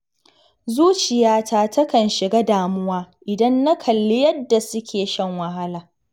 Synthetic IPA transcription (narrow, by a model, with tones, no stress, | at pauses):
zuː˦t͡ʃɪ˨jaː˦taː˦tʰɐ˦kɐ˨nʃɪ˨ɡaː˦daː˨mʊ˦waː˦ʔɪ˨dɐ˦nːa˦kʰɐ˨lːɪ˦jɐ˦dːa˨sʊ˦kʲʰeː˨ʃɐ˦˨ŋwɐ˨ɦa˦laː˨